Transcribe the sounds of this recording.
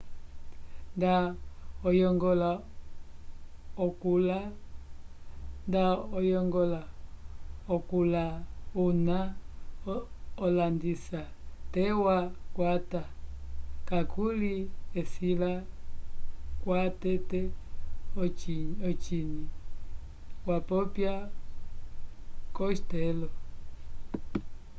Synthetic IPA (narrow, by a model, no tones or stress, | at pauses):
ndaɔjɔŋɡɔla | ɔkula | ndaɔjɔŋɡɔla | ɔkulauna | ɔlandisatɛwakwata | kakuliɛsila | kwatɛtɛ | ɔt͡ʃini | wapɔpja | kɔst̪ɛlɔ